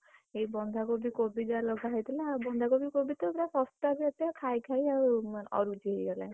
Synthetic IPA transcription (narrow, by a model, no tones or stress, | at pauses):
eibɔnd̪ʱakobikobid͡ʒalɔɡʱaɦɔjt̪ʰilaabɔnd̪ʱakobikobʱit̪ɔpɾapɔsʈabiat̪jakʰajkʰajamanɔ̰ɾud͡ʒiejɡala̰